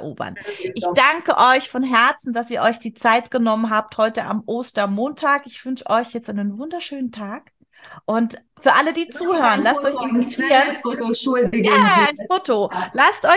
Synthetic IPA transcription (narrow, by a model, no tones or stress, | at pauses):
ɐʔo̰ːbɐ̰nʔɪçd̥aŋkəʔɔʏçfɔnɦɛɐt͡sn̩d̥asiːɐʔɔʏçd̥iːt͡saɪtɡ̥ənɔmənɦaːp̚thɔʏtəʔa̰mʔoːstɐmoːntʰaːkɪçv̥ʏnʃəʔɔʏçjɛt͡stʔaɪnənvʊndɐʃøːnəntʰaːk | ʔʊnt | fyːɐʔalədiːt͡suːhøːʁənlastʔɔʏçɪntɪtʰiːʁən | aːaɪnfoːtolastʔɔ